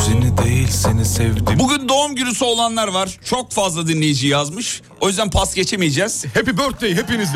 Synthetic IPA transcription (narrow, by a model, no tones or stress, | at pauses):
senid̪ejilʲsenisɛvd̪ibuɟynd̪o̞umɟyɾysyo̞lˠanlˠaɾvaɾ̥t͡ʃʰo̞kfazlˠad̪inlʲe̞jid͡ʒijjazmɯʃ | o̞jyzd̪ænpʰasɟe̞t͡ʃʰemijed͡ʒɛz̥hepibøɾt̪̚d̪ejiɦepiniz